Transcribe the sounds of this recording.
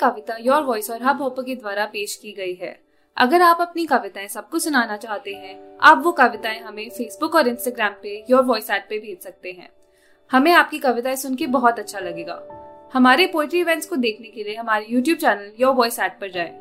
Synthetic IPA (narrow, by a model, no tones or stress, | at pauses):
kɐʋɪt̪ajɔːɾʋɔːɪsɔːɾɦɐbʱɔːpəked̪ʋaːɾapeːʃkiɡɐiɦɛ̰ː | ɐ̰ɡəɾaːpɐpnikɐʋɪt̪aẽsɐb̚kʊsʊnaːnat͡ʃaːɦt̪eɦɛ̃aːpʋokɐʋɪt̪aẽɦɐmẽfeːsbʊkɔːɾɪ̃nsʈaːɡɾɛːmpejɔːɾʋɔːɪsɛːʈ̚pebʱeːd͡ʒsɐk̚t̪eɦɛ̰̃ː | hɐmẽaːp̚kikɐʋɪt̪aɪ̃sʊnkebɔɦɔt̪ɐtːʃʰalɐɡeːɡa̰ːhɐmaːɾepoːlɪʈɾiɪʋɛ̃nʈskod̪eːkʰnekelieɦɐmaːɾijuːʈ̬juːb̚t͡ʃɛːnəljɔːʋɔːɪsɛːʈ̚pɐɾd͡ʒaːḛː